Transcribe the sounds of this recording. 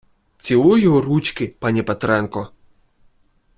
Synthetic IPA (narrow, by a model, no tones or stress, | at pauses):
t͡sʲilˠɔjɔɦɔɾut͡ʃkɪpɑnʲipɛt̪ɾɛnkɔ